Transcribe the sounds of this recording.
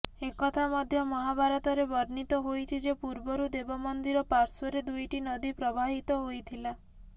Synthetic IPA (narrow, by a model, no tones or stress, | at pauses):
ekɔt̪ʰamɔd̪ʱjɔmɔɦabaɾɔt̪ɔɾebɔɾnit̪ɔɦojt͡ʃʰid͡ʒepuɾbɔɾud̪ebɔmɔnd̪iɾɔpaɾsɔɾed̪ujʈinɔd̪ipɾɔbʱaɦit̪ɔɦojt̪ʰila